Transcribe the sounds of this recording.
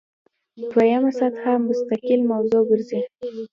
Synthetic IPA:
d̪wajamasat̪hamːʊst̪akilmawzoɡəɾzi

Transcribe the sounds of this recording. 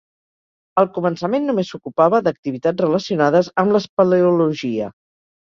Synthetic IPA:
əlˠkumənsəmenːumesukupaβəðək̚t̪iβ̞it̪ad͡zrələsiunaðəzəmləspəleuluʒiə̰

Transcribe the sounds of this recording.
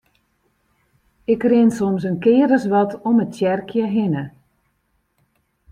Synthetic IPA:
ɪkrɪnsɔmsənkɪːɾəsʋɔtɔməttjɛrkʰjəɦɪnə

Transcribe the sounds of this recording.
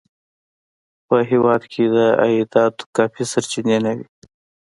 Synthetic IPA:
pəɦewɑːd̪kʰed̪əa̰jd̪ɑːt̪kɑːfisaɾt͡ʃinenawi

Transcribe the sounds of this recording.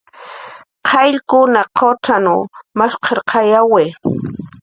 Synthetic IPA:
qʰɑʎkʊnaqʰoʈ͡ʂanumaʃqʰeɾqʰɑjaweː

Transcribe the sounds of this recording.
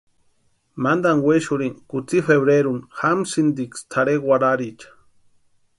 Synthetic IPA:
mand̪aŋweʃuɾiŋkut͡sifeβɾeɾunxamsind̪ikst̪ʰaɾeɡwʷaɾaɾit͡ʃḁ

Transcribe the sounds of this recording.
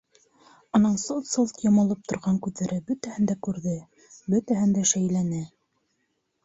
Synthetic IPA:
ŏnɑnsɤlˠt̪sɤlˠt̪jɑmɑlˠɤp̚t̪ŏɾʁɑŋkʉðæɾɘbɵ̆t̪æhɘnd̪ækʉɾðɘ | bɵt̪æɦɘnd̪æʃæjlænɘ

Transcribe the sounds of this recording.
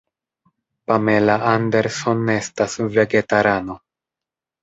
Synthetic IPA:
pame̞laande̞ɾso̞ne̞stasve̞ɡe̞taɾano̞

